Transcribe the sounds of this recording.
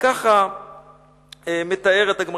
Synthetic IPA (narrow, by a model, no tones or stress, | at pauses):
kaχa | eme̞t̪ae̞ʁet̪aɡma